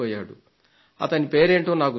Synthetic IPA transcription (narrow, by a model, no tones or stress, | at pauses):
ɔːjaːɽṵ | ɐ̰t̪ɐnipeːɾeːɳʈoːnaːku